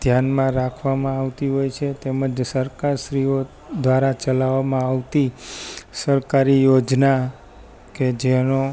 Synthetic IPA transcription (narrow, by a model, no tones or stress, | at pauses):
d̪ʱjanmãɾakʰʋamãaʋt̪iɦojt͡ʃʰet̪eməd͡ʒsəɾkaɾʃɾio | d̪ʋaɾat͡ʃəlaʋamãaʋt̪i | səɾkaɾijod͡ʒna | ked͡ʒeno